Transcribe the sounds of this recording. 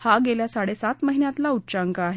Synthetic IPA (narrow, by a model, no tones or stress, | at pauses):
haɡeljasaɽesat̪məɦinjãt̪laut͡ɕaŋkaːɦe